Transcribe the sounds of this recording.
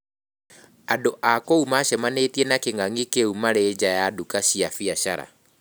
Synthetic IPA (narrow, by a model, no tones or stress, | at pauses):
adoʔakoumaɕɛmanetiɛnakeŋaŋikeumaɾed͡ʑajadukaɕiafiaɕaɾa̰